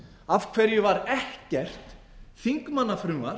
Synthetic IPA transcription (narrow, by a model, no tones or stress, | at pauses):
av̥kʰv̥ɛɾjʏvaɾɛhcɛr̥t̪ | θiŋkmanːafɾʏvaɾ